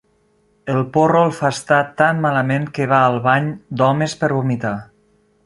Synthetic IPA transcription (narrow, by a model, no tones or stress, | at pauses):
əlˠporolˠfast̪at̪anːaləmẽŋkəβaəlˠβaɲd̪ɔmespəɾβomit̪a